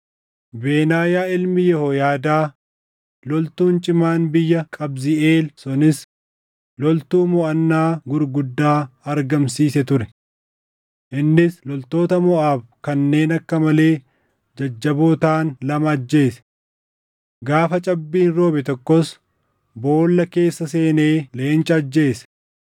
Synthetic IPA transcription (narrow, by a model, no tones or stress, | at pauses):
be̞ːnaːjaːɪlmɪjɛhojaːd̪aː | lɔlt̪uːnt͡ʃʼɪmaːnbɪjːɐkʼɐbzɪeːlsʊnɪs | lɔlt̪uːmɔʔɐnːaːɡʊɾɡʊd̪ːaːɐɾɡɐmsiːsɛt̪ʊɾɛ | ʔɪnːɪslɔlt̪o̞ːt̪ɐmɔʔaːfkɐnːe̞ːnɐkːɐmɐle̞ː | d͡ʒɐd͡ʒːɐboːt̪aːnlɐmɐɐd͡ʒːe̞ːsɛ̥ | ɡaːfɐt͡ʃʼɐbːiːnɾo̞ːbɛt̪ɔkːɔs | bo̞ːlːɐke̞ːsːɐse̞ːne̞ːle̞ːnt͡ʃʼɐɐd͡ʒːe̞ːsɛ̥